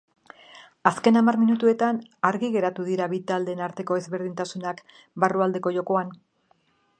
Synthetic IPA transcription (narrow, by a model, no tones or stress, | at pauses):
aske̞namaɾminut̪ue̞t̪anaɾɣiɣe̞ɾat̪uðiɾaβit̪ald̪e̞ːnaɾt̪e̞ko̞e̞zβe̞ɾð̞int̪asunak | baruald̪e̞ko̞ʝo̞ko̞an